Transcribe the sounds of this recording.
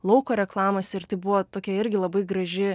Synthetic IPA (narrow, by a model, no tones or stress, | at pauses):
lˠɐʊkoːɾʲɛklˠɑːmoːsʲɪɾt̪ɐɪbʊʋoːt̪oːkʲɛɪɾʲɡʲɪlˠɐbɐɪɡɾɐʒʲɪ